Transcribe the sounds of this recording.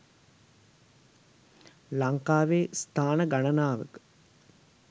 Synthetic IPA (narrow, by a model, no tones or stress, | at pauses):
laŋkaːʋeːst̪ʰaːnəɡanənaːʋə̰kə̥